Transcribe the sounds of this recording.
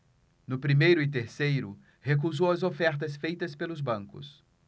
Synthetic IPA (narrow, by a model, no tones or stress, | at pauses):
nʊpɾimejɾʊɪt̪̬eɾsejɾʊ | hek̬uzowɐzofɛɾt̪̬ɐsfejt̪ɐspelʊzbɐ̃ŋkʊ̰s